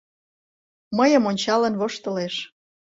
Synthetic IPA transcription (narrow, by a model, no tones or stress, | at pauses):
məjəmonʲt͡ɕɑlənβoʃt̪ə̆leʃ